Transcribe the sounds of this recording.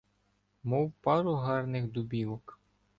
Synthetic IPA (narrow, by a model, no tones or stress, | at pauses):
mɔwpɑɾʊɦɑrnɪxd̪ʊbʲiʋɔk